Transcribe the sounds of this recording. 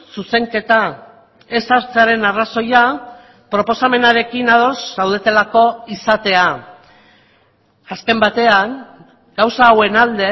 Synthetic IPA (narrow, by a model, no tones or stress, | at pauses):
suse̞ŋke̞t̪a | e̞saɾt͡seaɾe̞naraso̞ja | pɾo̞po̞same̞naɾe̞kinaðo̞zsawð̞e̞t̪e̞lako̞isat̪e̞a | aske̞mbat̪e̞aŋ | ɡ̥awsaːwe̞nald̪e̞